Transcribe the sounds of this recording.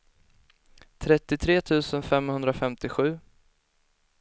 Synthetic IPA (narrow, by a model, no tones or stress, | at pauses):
t̪ʰɾɛt̪ːɪt̪ʰɾeːt̪ʰʉ̟ːsənfɛmhɵnd̪ɾafɛmt̪ɪɧʉ̟ː